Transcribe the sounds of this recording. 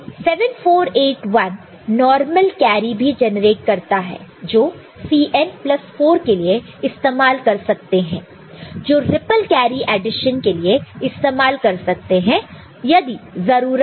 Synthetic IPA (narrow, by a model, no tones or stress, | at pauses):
sɛʋənfoːɾeːʈʋɐnː | ɔːɾməlkɛːɾibʱid͡ʒɛnɾeːʈ̚kɐɾt̪aɦɛ̰ːd͡ʒoː | siːʔɛnplɐsfoːɾkelie | ɪst̪eːmaːlkɐɾsɐk̚t̪eɦɛ̰̃ː | d͡ʒoːɾɪpəlkɛːɾiʔɛːɖɪʃənkelieɪst̪eːmaːlkɐɾsɐk̚t̪eɦɛ̃ | jɐd̪izɐɾuːɾ